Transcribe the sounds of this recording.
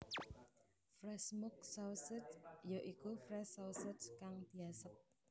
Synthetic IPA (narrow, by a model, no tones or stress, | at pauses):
fɾɛsmʊk̚sɔsɪt͡ʃjoʔikufɾɛsowsɪt͡ʃkaŋd̪̥i̤asəp̚